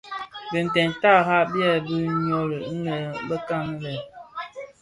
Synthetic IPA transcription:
bə˨n̩˨tɛ˨nta˦˨ha˦bjɛ˦bə˦ɲɔ˦ɾə˨˦nə˨bə˦ka˦˨ŋ˦lɛ˨

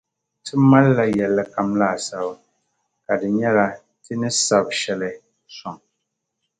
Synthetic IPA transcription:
tʰɨ˦ma˦lːa˨jɛ˨lːɛ˦ka˨mla˦˨sa˨w | ka˨dɨ˨ɲɛ˦la˦ | tɨ˦nɨ˦sa˨bʃɛ˦lɛ˦ | sɔ˨ŋ

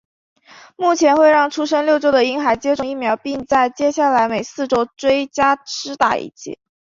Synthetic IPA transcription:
mu˥˩t͡ɕʰjɛ˧˥nxwe˥˧ɪɻɑ˥˩ŋʈ͡ʂʰu˥ʂɤ˥ŋljo˥˧ʊt͡ɕjo˥ʊd̪ə˨˩i˥ŋxa˧˥ɪt͡ɕjɛ˥ʈ͡ʂʊ˥˧˩ŋi˥˩mjɑ˧˥ʊpi˥˧ŋt͡sa˥˩ɪt͡ɕjɛ˥ɕja˥˩la˧˥ɪme˨˩ɪsɹ̩˥˩ʈ͡ʂo˥ʊt͡swe˥ɪt͡ɕja˥ʈ͡ʂʰɻ̩˥t̪a̰˨˩ḭ˥˩t͡ɕḭ˥˩˦

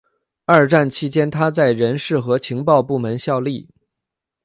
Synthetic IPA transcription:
ɐ˞˥˧˩ʈ͡ʂa˥˩nt͡ɕʰi˥t͡ɕjɛ˥nt̪ʰa˥t͡sa˥˩ɪɻə˧˥nʂɻ̩˥˩xɤ˧˥t͡ɕʰi˧˥ŋpɑ˥˧ʊpu˥˩mə˧˥nɕjɑ˥˧ʊli˥˩

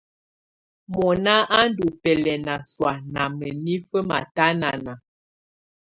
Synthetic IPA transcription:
mɔ˨na˦ʔa˦n˦du˨pɛ˨lɛ˨na˨swa˨na˨mə˨ni˦fə˦ma̰˨ta˦na̰˨na˨

